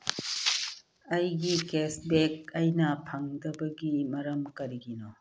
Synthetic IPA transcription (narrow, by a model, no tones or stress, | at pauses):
ɐjɡikesbek̚ɐjnɐpʰɐŋdɐbɐɡimɐɾɐmkɐɾiɡino